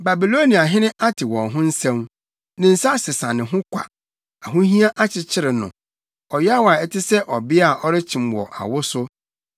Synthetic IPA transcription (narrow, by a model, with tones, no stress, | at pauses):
ba˨bi˨lo˦ni˨a˨ɦɪ̃˦nɪ̃˦ʔa˦tʰɪ˨wɔ̃˨nɦʊ̃˦n̩˦sɛ̃˦m | nɪ̃˨n̩˨sa˦sɪ˨sã˨nɪ̃˨ɦʊ̃˦kʰʷa̰˨ | a˨ɦʊ̃˦ɦĩ˦a˦ʔa˦t͡ɕʰɪ˨t͡ɕʰɪ˦ɾɪ˨nʊ̰̃˨ | ɔ˨jɛ˦a˦wa˨ɛ˦tʰɪ˦sɛ˦ʔɔ˨bɪ˦a˨ʔɔ˦ɾɪ˦t͡ɕʰĩ˨mwɔ̰˨ʔa̰˨wʊ˦sʊ˦